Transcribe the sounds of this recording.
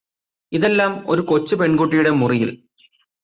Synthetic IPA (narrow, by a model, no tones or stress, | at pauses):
iðe̞lːaːmo̞ɾuko̞t͡ɕːɨpe̞ɳɡuʈ̬ːijuɽe̞murijil